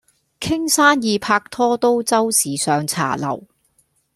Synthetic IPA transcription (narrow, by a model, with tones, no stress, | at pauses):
kʰɪ˥ŋsaː˥njiː˨˧pʰaː˧k̚t̪ʰɔː˥t̪o˥wt͡sɐ˥wsiː˨sœː˨ŋt͡sʰa̰ː˨˩lɐ̰˨˩w